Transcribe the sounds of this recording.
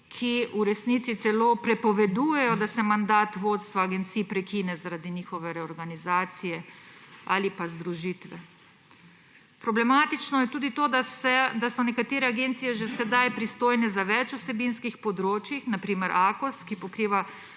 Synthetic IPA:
kʰiuɾɛsniːt̪sit̪sɛloːpɾɛpɔʋɛd̪uːjɛjɔd̪asɛmand̪aːt̪ʋoːt̪st̪ʋaːɡɛnt̪siːpɾɛkinɛzaɾad̪iniːxɔʋɛɾɛɔɾɡanizaːt̪sijɛ | a̰ːlipazd̪ɾuʒiːt̪ʋɛ̰ | pɾɔblɛmaːt̪it͡ʃnɔjɛt̪uːd̪it̪oːd̪asɛd̪asɔnɛkat̪eːɾɛaɡeːnt̪sijɛʒɛsɛd̪ajpɾist̪oːjnɛzaʋɛt͡ʃusɛbinskixpɔd̪ɾoːt͡ʃjixnapɾiːmɛɾʔaːkɔskipɔkɾiːʋa

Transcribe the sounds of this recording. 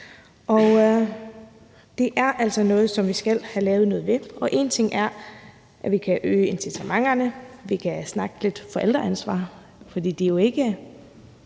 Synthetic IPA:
ʔɒ | d̥e̝ʔæɐʔæl̰sɒ̽nɔ̽ːð̞̩ˠsɒ̽mʋisɡ̥æl̰hælɛːʊð̞̩ˠnɔ̽ːð̩ˠʋe̝ʔɒ̽ʔe̝ːnt͡sʰe̝ŋæɐ | ʔæʋikʰæʔøːe̝nsit͡sʰæmɑ̈ŋɐnəʋikʰæsnɑ̈ɡ̥əle̝d̥fɒ̽ʔel̰d̥ʁɐænsʋɑ̰̈ː | fɒd̥ḭːd̥ijo̝e̝ɡ̥ə

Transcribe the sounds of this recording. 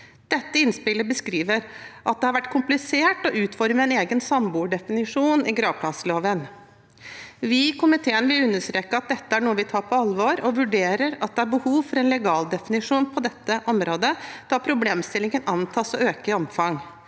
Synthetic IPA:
d̪̥ɛt̪ːəɪnspɪlːəbəskɾiːʋəɾʔɑt̪̚d̪ɛhɑɾʋæʈːkʰʊmplɪseːʈɔʔʉːt̪fɔɾməɛneːɡənsɑmbuːɖɛfɪnɪʂuːnɪɡɾɑːʋpʰlɑsəloːʋən | ʋɪkʊmɪt̪ʰeːənʋɪlʉnːəʂt̪ɾeːkːəɑt̪̚d̪ɛt̪ːəæɳuːəʋɪt̪ʰɑːɾpʰɔɑlʋoɾɔʋʉɖeːɾəɾɑt̪̚d̪ɛæɾbəhuːʋfɔɾɛnlɛɡɑːld̪ɛfɪnɪʂuːnpʰɔd̪ɛt̪ːəʔɔmɾoːd̪əd̪̥ɑpʰɾʊbleːmst̪ɪlɪŋənɑnt̪ʰɑːsɔøːkəɪɔmfɑŋ

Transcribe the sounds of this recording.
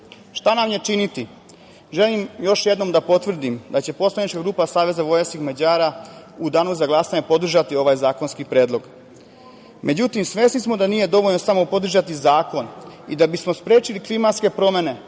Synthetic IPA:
ʃt̪anamjet͡ʃinit̪i | ʒe̞limjo̞ʃjed̪no̞md̪apo̞t̪ʋr̩d̪imd̪at͡ɕe̞po̞slˠanit͡ʃkaɡɾuːpasaːʋe̞zaʋo̞jeskixmad͡ʑaːɾa | ud̪aːnuzaɡlˠaːsaɲepo̞d̪r̩ʒat̪io̞ʋajzaːko̞nskipɾeːd̪lo̞ɡ | mʔe̞d͡ʑut̪imsʋesnismo̞d̪aniːje̞d̪o̞ʋo̞ʎno̞samo̞po̞d̪r̩ʒat̪izaːko̞nid̪abismo̞spɾe̞ːt͡ʃiliklimat̪ske̞pɾo̞me̞ne̞

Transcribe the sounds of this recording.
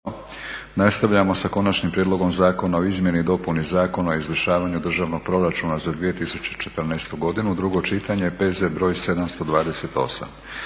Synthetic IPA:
nast̪aʋʎamo̞sako̞nat͡ʃnimpɾʲjed̪lˠo̞ɡo̞mzaːko̞nao̞izmʲje̞nid̪o̞punizaːko̞naoizʋəʃaːʋaɲud̪r̩ʒaʋno̞ɡ̚pɾo̞ɾat͡ʃunazad̪ʋije̞t̪isut͡ɕet͡ʃet̪ərɾnajst̪uɡo̞d̪inud̪ɾuɡo̞t͡ʃit̪aɲe̞pezebɾo̞ːjse̞d̪amst̪o̞d̪ʋaːd̪ese̞t̪o̞̰sa̰m

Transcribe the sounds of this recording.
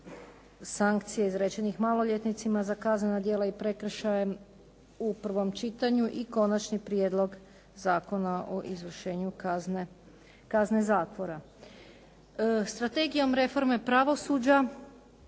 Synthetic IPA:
saŋkt̪sijeizɾet͡ɕe̞nixmalo̞ʎet̪nit̪simazakaznenad̪jeːlaipɾe̞kr̩ʃajem | upr̩ʋo̞mt͡ʃit̪aɲuʔiko̞nat͡ʃnipɾjed̪lˠo̞ɡ | zaːko̞naʔo̞ʔizʋr̩ʃe̞ːɲukzne | kazne̞zaːt̪ʋo̞ɾa | st̪ɾat̪e̞ɡijo̞mɾe̞fo̞ɾme̞pɾaʋo̞suːd͡ʒa

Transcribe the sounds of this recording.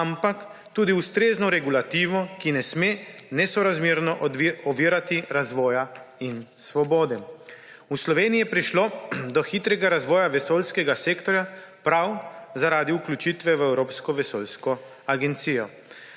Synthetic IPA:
ampak | t̪uːd̪iust̪ɾeːznɔɾɛɡulat̪iːʋɔkinɛsmenɛsɔɾazmiːɾnɔʔɔʋiɾat̪iɾazʋɔːjainsʋɔbɔːd̪ɛ | uslɔʋeːnijɛpɾiʃlod̪ɔxit̪ɾɛɡaɾazʋɔːjaʋɛsoːlskɛɡaseːkt̪ɔɾjapɾawzaɾaːd̪iuklʲjut͡ʃit̪ʋɛʋəɛwɾoːpskɔʋɛsoːlskɔ | aɡɛnt̪siːjɔ

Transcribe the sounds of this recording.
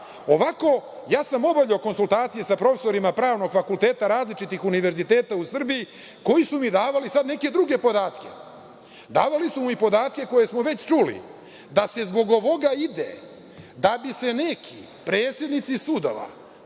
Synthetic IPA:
oʋako̞ | jaːsamo̞baʎeoko̞nsulˠt̪aːt̪sijesapɾo̞feso̞ɾimapɾaːʋno̞ɡfakulˠt̪e̞ːt̪aɾaːzlit͡ʃit̪ixuniʋe̞ɾzit̪e̞ːt̪ausr̩biji | ko̞jisumid̪aːʋalisad̪ne̞ke̞d̪ɾuɡe̞po̞d̪aːt̪ke̞̰ | d̪a̰ːʋalisumuipo̞d̪aːt̪ke̞ko̞je̞smoʋe̞t͡ɕt͡ʃulḭ | d̪ase̞zbo̞ɡo̞ʋo̞ɡaid̪e | d̪abise̞ne̞kʰḭ | pɾeːt̪sjed̪nit̪sisud̪oʋa̰

